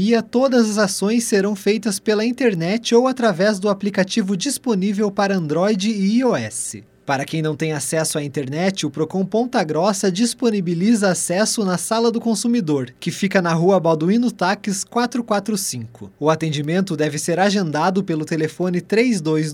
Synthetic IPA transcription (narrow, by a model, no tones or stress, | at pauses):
iɐt̪od̪ɐzɐzasõj̃sːeɾɐ̃w̃fejt̪ɐspelɐĩnt̪eɾnɛt͡ʃɪowat̪ɾavɛzd̪ʊaplikat͡ʃivʊd͡ʒisponivewpaɾɐɐ̃nd̪ɾɔjd͡ʒɪɔɛsɪ̰ | paɾɐkẽj̃nɐ̃w̃t̪ẽjasɛsʊaĩnt̪eɾnɛt͡ʃɪʊpɾokõw̃põnt̪ɐɡɾɔsɐd͡ʒisponibilizɐːsɛsʊnɐsalɐd̪ʊkõsumid̪oɾkɪfikɐnɐɦuɐbawd̪uĩnʊt̪akɪskwat̪ɾʊkwat̪ɾʊsĩŋkʊ̰ʊat̪ẽnd͡ʒimẽnt̪ʊd̪ɛvɪseɾaʒẽnd̪ad̪ʊpelʊt̪elefõnɪt̪ɾejzd̪ojz